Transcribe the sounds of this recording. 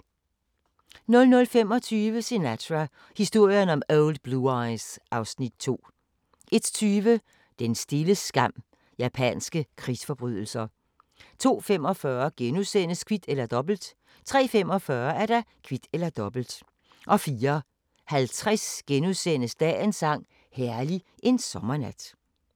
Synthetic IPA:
nɔ̽lnɔ̽lfem̰ɒ̽t͡sʰyːʋəse̝næt͡sʰæ | hisd̥o̝ɐ̰jɐnɒ̽moʊld̥̚b̥luɑɪsʔɑ̈ʊsnid̥t͡sʰo̝̰ː | ʔe̝d̥t͡sʰyːʋə | d̥ensd̥e̝ləsɡ̥ɑ̈m̰ | jæpʰɛ̰nsɡ̥əkʰʁisfɒ̽b̥ʁy̰ð̞̰ˠl̩sɐ | t͡sʰo̝̰ːfemɒ̽fɶːɐɡ̥enuðˠsen̰əskʰʋid̥elɐd̥ɒ̽b̥l̩d̥ | t͡sʰʁɛ̰ːfem̰ɒ̽fɶɐæɐɾ̥ɑkʰʋid̥elɐd̥ɒ̽b̥l̩d̥ | ʔɒ̽fiːɐ | hælt͡sʰʁɛsɡ̥enuðˠsenəsd̥ɛ̰ːensɑ̈ŋ̰ | hæɐli | ʔe̝nsɒ̽mɐnæd̥

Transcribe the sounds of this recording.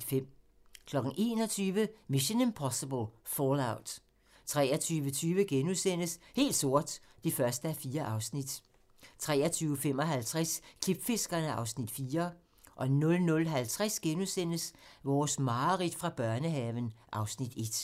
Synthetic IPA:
fem̰ | kʰlɒ̽ɡ̥n̩ʔe̝ːnɒ̽t͡sʰyːʋəmiɕinəmpʰɒsəb̥əlˠfɔlaʊd̥ | t͡sʰʁɛ̰ːɐt͡sʰyːʋət͡sʰyːʋəɡ̥enusen̰əshe̝̰ːld̥so̝ɐ̰d̥d̥e̝fɶɐsd̥əæfiːɐʔɑ̈ʊsnid̥ | t͡sʰʁɛ̰ːɐt͡sʰyːʊəfem̰ɒ̽ɦælt͡sʰʁɛskʰlib̥fe̝sɡ̥ɐnəɑ̈ʊsnid̥fiːɐ | ʔɒ̽nɔ̽lnɔ̽lɦælt͡sʰʁasɡ̥enusen̰əsʋɒːsmɑ̈ːʁid̥fʁɑ̈b̥ɶɐnəɦɛʋənʔɑ̈ʊsnid̥e̝d̥

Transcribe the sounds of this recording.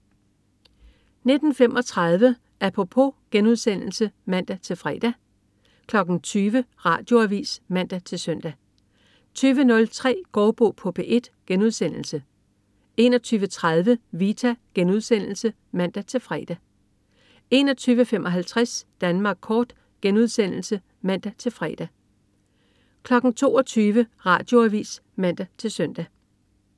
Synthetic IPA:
ne̝d̥n̩femʔɒ̽t͡sʰʁɑð̞ˠʋə | ʔæɐpʰopʰo̝ɡ̥enuðˠsen̰l̩səmæn̰d̥æt͡sʰe̝lfʁɛ̰d̥æ | kʰlɒ̽ɡ̥n̩t͡sʰyːʋəʁɑ̈ːd̥jo̝æʋḭːsmæn̰d̥æt͡sʰe̝lsœn̰d̥æ | t͡sʰyːʋənɔ̽lt͡sʰʁɛ̰ːɡ̥ɒːb̥o̰ːpʰob̥ʰeʔe̝d̥ɡ̥enuð̞ˠsen̰l̩sə | e̝nɒ̽t͡sʰyːʋət͡sʰʁað̞ˠʋəʋit͡sʰæɡ̥enuðˠsen̰l̩sə | mæn̰d̥æt͡sʰe̝lfʁɛːd̥æ | e̝nɒ̽t͡sʰyːʋəfemʔɒ̽ɦælt͡sʰʁasd̥ænmɑ̈ːɡ̥̚kʰɒːd̥ | ɡ̥enuð̞̰ˠsen̰l̩sə | mæn̰d̥æt͡sʰe̝lfʁɛ̰ːd̥æ | kʰlɒ̽ɡ̥n̩t͡sʰo̝̰ːɒt͡sʰyːʋəʁɑ̰̈ːd̥jo̝æʋḭːs | mæn̰d̥æt͡sʰe̝lsœn̰d̥æ

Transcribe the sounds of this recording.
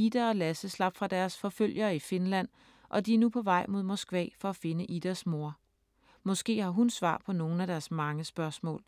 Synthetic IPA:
id̥æɒ̽læsəslɑ̈b̥fʁɑ̈d̥æɐsfɒ̽føl̰jɐːife̝nlæn̰ | ʔɒ̽d̥iæɐnupʰɒ̽ʋɑ̈ɪ̰mo̝ð̰ˠmɒsɡ̥ʋɛ̰ːfɒ̽æfe̝nəʔid̥æsmo̝ɐ | mɒ̽sɡ̥e̝̰ːhɑ̈ɦunsʋɑ̰̈ːpʰɒ̽no̝ːn̩æd̥æɐsmɑ̈ŋəsb̥ɶɐsmɔ̰̽ːl

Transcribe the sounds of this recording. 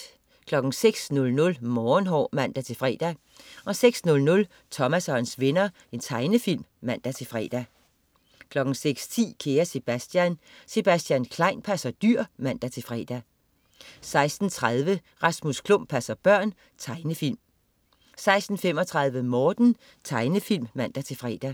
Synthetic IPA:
kʰlɒ̽ɡ̥n̩seɡ̥snɔ̽lnɔ̽lmɒːnɦɒ̰ːmæn̰d̥æt͡sʰe̝lfʁɛ̰ːd̥æ | ʔɒ̽seɡ̥snɔ̽lnɔ̽l | t͡sʰɒ̽mæsɒnsʋe̝nɐ | e̝nt͡sʰɑ̈ɪnəfil̰mːæn̰d̥æt͡sʰe̝fʁɛ̰d̥æ | kʰlɒ̽ɡ̥n̩seɡ̥st͡sʰḭːkʰe̝ːɐse̝b̥æsd̥jæn | se̝b̥æsd̥jænkʰlɑ̈ɪnpʰæsɐd̥yɐ̰mæn̰d̥æt͡sʰe̝lfʁɛ̰ːd̥æ | sɑ̈ɪsd̥n̩t͡sʰʁað̞ˠʋə | ʁɑ̈smuskʰlɔm̰̚pʰæsɐb̥ɶɐ̰n | t͡sʰɑ̈ɪnəfil̰m | sɑ̈ɪsd̥n̩fem̰ɒ̽t͡sʰʁɑ̈ð̞ˠʋəmɒːd̥n̩ | t͡sʰɑ̈ɪnəfil̰mːæn̰d̥æt͡sʰe̝fʁɛ̰ːd̥æ

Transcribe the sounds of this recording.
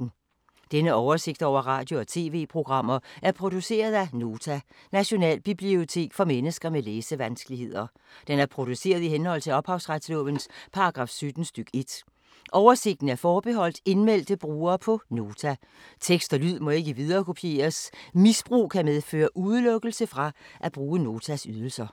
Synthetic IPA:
d̥enəɒʊɐse̝ɡ̥̚d̥ɒʊ̰ɐʁɑ̰̈ːd̥jo̝ɒ̽t͡sʰe̝̰ːʋe̝̰ːpʰʁo̝ɡ̥ʁɑ̈m̰ɐʔæɐpʰʁo̝d̥use̝̰ːɐð̞ˠæno̝ːt͡sʰæ | næɕo̝nɛ̰ːlb̥ib̥lio̝t͡sʰe̝̰ːɡ̥fɒ̽menəsɡ̥ɐmeleːsəʋænsɡ̥əlihe̝ð̰ˠɐ | d̥enæɐpʰʁo̝d̥use̝̰ːɐð̞ˠiɦenhɒ̽l̰t͡sʰe̝lɒ̽b̥hɑ̈ʊsʁad̥slɔ̰b̥ənspʰɑ̈ɑ̈ɡ̥ʁɑ̈ːfsød̥n̩sd̥yɡ̥e̝d̥ | ʔɒʊɐse̝ɡ̥̚d̥n̩æɐfɒːb̥e̝ɦɒ̽l̰d̥e̝nmel̰d̥əb̥ʁuːɐːpʰɒ̽no̝ːt͡sʰæ | t͡sʰeɡ̥sd̥ɒlyð̰ˠmɒ̽e̝ɡ̥əiʋið̞ˠɐːkʰo̝pʰie̝̰ːɐsmisb̥ʁṵːkʰæmeð̞ˠfø̰ːɐʔuðˠəlɔ̽ɡ̥əl̩səfʁɑ̈ʔæb̥ʁuːəno̝ːt͡sʰæsyð̞ˠl̩sɐ

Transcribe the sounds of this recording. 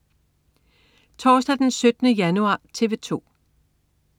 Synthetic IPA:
t͡sʰɒːsd̥æd̥ensød̥ənəjænuɑ̈ːt͡sʰe̝ʋe̝t͡sʰo̝̰ː

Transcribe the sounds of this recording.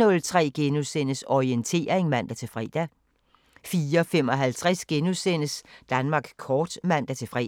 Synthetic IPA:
ɔ̽lt͡sʰʁɛ̰ːɡ̥e̝nusen̰əsɒient͡sʰe̝̰ːɐeŋmæn̰d̥æt͡sʰe̝fʁɛ̰ːd̥æ | fiːɐɒfem̰ɒ̽ɦælt͡sʰʁɛsɡ̥e̝nusenəsd̥ænmɑ̈ːɡ̥kʰɒːd̥mæn̰d̥æt͡sʰe̝fʁɛ̰

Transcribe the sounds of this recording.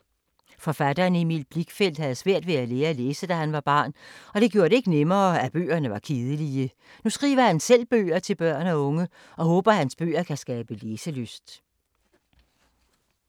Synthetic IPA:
fɒ̽fæd̥ɐːnimid̥̚b̥liɡ̥fel̰d̥hæð̞̩ˠsʋæɐ̰d̥ʋe̝æleːɐleːsəd̥æhænʋɑ̈b̥ɑ̈ːnɒ̽d̥e̝ɡ̥jo̝ːɐɾ̥e̝e̝ɡ̥ənemɐːæb̥ø̰ːɐnəʋɑ̈kʰeːð̞ˠəliə | nusɡ̥ʁḭːʋɐhænsel̰b̥ø̰ːɐt͡sʰe̝lb̥ɶɐ̰næɔ̽ŋə | ɒ̽hɔːb̥ɐhænsb̥ø̰ːɐkʰæsɡ̥ɛːb̥əleːsəløsd̥

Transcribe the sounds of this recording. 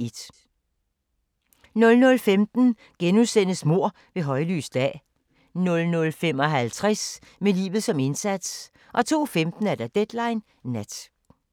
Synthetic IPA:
e̝d̥ | nɔ̽lnɔ̽lfemd̥n̩ | ɡ̥enusen̰əsmo̝ɐ̰ | ʋe̝ɦɒ̽ɪly̰ːsd̥ɛ̰ː | nɔ̽lnɔ̽lfemɒ̽ɦælt͡sʰʁɛs | melḭːʋð̩ˠsɒ̽me̝nsæd̥s | ʔɒ̽t͡sʰo̝̰ːfemd̥n̩æɐd̥æd̥ed̥lɑ̈ɪnː | æd̥

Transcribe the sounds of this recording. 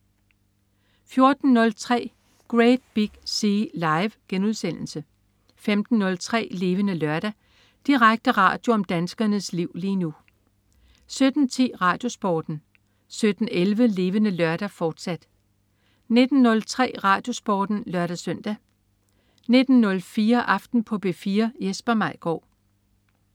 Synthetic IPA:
fjo̝ɐd̥n̩nɔ̽lt͡sʰʁɛ̰ː | ɡ̥ʁed̥̚b̥iɡ̥siːlɑ̈ɪʋɡ̥enuð̞ˠsen̰l̩sə | femd̥n̩ːɔ̽lt͡sʰʁɛ̰ːle̝ːʋənəlɶɐɾ̥æ | d̥iʁaɡ̥̚d̥əʁɑ̰̈ːd̥jo̝ɒ̽md̥ænsɡ̥ɐnəsliʊ̰liːnu | sød̥n̩t͡sʰḭːʁɑ̈ːd̥jo̝sb̥ɒːd̥n̩ | sød̥n̩elʋəle̝ːʋənəlɶɐɾ̥æfɒːd̥sæd̥ | ne̝d̥n̩ːɔ̽lt͡sʰʁɛ̰ːʁɑ̰̈ːd̥jo̝sb̥ɒ̰ːd̥n̩lɶɐɾ̥æsœn̰d̥æ | ne̝d̥n̩ːɔ̽lfiːɐʔɑ̈fd̥n̩pʰɒ̽b̥e̝fiːɐjesb̥ɐmɑ̈ɪ̰ɡ̥ɒ̰ː

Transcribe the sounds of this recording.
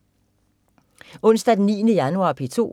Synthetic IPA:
ɔ̽n̰sd̥æd̥enːḭːnəjænuɑ̰̈pʰit͡sʰo̝̰ː

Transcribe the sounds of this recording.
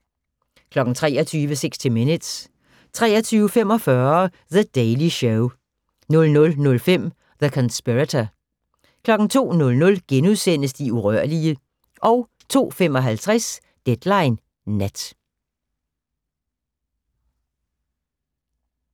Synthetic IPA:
kʰlɒ̽ɡ̥n̩t͡sʰʁɛ̰ːɒt͡sʰyːʋəseɡ̥sd̥ʰime̝nəd̥s | t͡sʰʁɛ̰ːɒt͡sʰyːʊəfem̰ɒ̽fɶɐ | ðəd̥eɪliɕɔʊ | nɔ̽lnɔ̽lnɔ̽lfem̰ | ðəkʰɒ̽nsb̥iʁæt͡sʰɐ | kʰlɒ̽ɡ̥n̩t͡sʰo̝̰ːnɔ̽lnɔ̽lɡ̥enuðˠsen̰əsd̥iuʁɶɐ̰liə | ʔɒ̽ʊ | t͡sʰo̝̰ːfemɒ̽ɦælt͡sʰʁɛs | d̥ed̥lɑ̈ɪnː | æd̥

